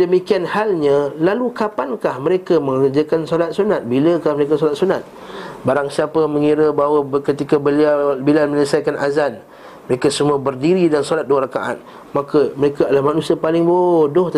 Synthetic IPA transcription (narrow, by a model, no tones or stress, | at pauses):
dəmikianhalɲãlalukapankahməɾekaməŋərd͡ʒakansolat̪̚sunat̪̚biləkahməɾekasolat̪̚sunat̪̚ | baɾaŋsiapamə̃ŋiɾəbaɦwakət̪ikabəliabilalmə̃ɲəsajkanʔa̰zan | məɾekasəmuabərdiɾidansolat̪̚duaɾaka̰ʔa̰t̪̚ | makaməɾekaalahmanusiapalɪŋbodʊht̪